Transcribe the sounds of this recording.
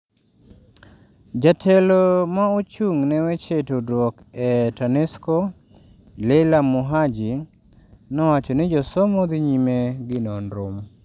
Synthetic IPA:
d͡ʒatʰɛlomaot͡ʃuŋnɛwɛt͡ʃetodwɔk | ɛtanɛsko | lɛlamuɦad͡ʒi | nɔwat͡ʃɔnɪd͡ʒɔsɔmɔd̪ɪɲimeɡɪnɔnɾom

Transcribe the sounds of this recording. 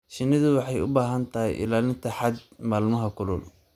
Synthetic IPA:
ʃɪnːɪðʊwɑħɑjʊ̰baːɦɐnt̪ʰɐɦɪjʔɪ̰laːlɪnt̪ʰɐħɑd̪maːlmɐɦɐkʰʊlɔ̰ːl

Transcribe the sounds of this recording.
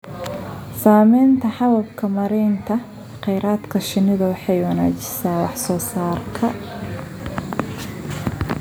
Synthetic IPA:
saːmɛjnt̪ʰɐħɑwɐb̚kʰɐmɐɾɛːnt̪ʰɐ | qɛjɾaːd̪kʰɐʃɪnɪðɐwɑħɑjwɑna̰ːt͡ʃɪsaːwɑħsɔːsaːrkʰɐ

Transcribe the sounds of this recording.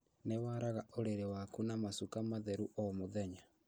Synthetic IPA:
newaɾaɣaoɾeɾewakunamasukamaðɛɾuʔɔmoðɛɲa

